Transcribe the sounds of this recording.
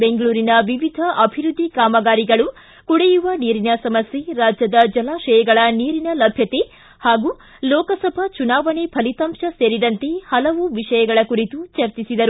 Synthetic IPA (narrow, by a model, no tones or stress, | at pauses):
beŋɡɐɭuːɾinɐʋiʋid̪ʱɐʔɐbʱiɾud̪ʱːikaːmɐɡaːɾiɡɐɭu | kuɽejuʋɐniːɾinɐsɐmɐsjeɾaːd͡ʒjɐd̪ɐd͡ʒjɐlaːʃɐjɐɡɐɭɐniːɾinɐlɐbʱjɐt̪e̞ | haːɡuː | lɔːkɐsɐbʱɐt͡ʃunaːʋɐnepʰɐlit̪ɐmʃɐseːɾid̪ɐnt̪e̞hɐlɐʋuʋiʂɐjɐɡɐɭɐkuɾit̪ut͡ʃɐɾt͡ʃisid̪ɐɾu